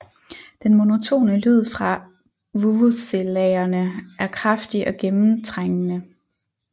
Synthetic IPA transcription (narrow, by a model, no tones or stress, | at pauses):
d̥enmo̝no̝t͡sʰo̝̰ːnəlyð̞̰ˠfʁɑ̈ | ʋuʋuselɛɪɐnəʔæɐkʰʁafd̥iʔɒ̽ɡ̥emm̩t͡sʰʁeŋ̰ənə